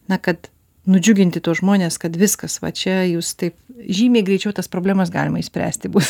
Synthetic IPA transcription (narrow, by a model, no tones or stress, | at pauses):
nɐkɐt̪ | nʊd͡ʒʲʊɡʲɪnʲt̪ʲɪt̪oːsʒmoːnʲeːskɐt̪ʋʲɪskɐsʋɐ̰t͡ʃʲɛjuːst̪ɐɪpʒʲiːmʲeːɡɾʲɛɪt͡ʃʲɛʊt̪ɐspɾoːblʲæːmɐs̬ɡɑ̰ːlʲɪmɐɪʃsʲpʲɾʲæ̰ːsʲt̪ʲɪbuːs